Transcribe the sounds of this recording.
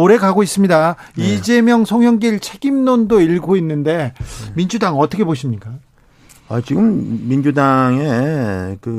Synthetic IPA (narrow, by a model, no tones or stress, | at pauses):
oɾe̞ɡaɡois͈ɯmɲida | id͡ʑe̞mjʌŋsʰoŋɦjʌŋɡiɭt͡ɕʰe̞ɡimnondoiɭɡoinːɯnde̞mind͡ʑudaŋʌt͈ʰʌkʰeboɕ̬ʰimɲik͈a | at͡ɕiɡɯmmːind͡ʑudaŋe̞kɯ